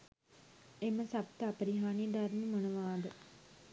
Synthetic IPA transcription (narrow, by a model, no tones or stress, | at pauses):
eməsapt̪əapəɾiɦaːnijəd̪aɾnimonəʋaːd̪ə